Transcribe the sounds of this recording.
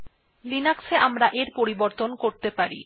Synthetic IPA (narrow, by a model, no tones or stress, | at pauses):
linakseamɾaʔeɾpoɾiboɾt̪onkoɾt̪epaɾḭ